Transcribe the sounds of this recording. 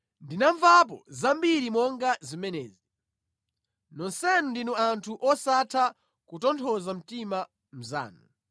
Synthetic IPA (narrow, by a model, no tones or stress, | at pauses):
ndinaɱvap̬ɔzambiɾimɔŋɡazimɛnɛːzi | nɔnsɛnundinuantʰuʔɔsatʰa | kutɔntʰɔzam̩tima | m̩za̰ːnu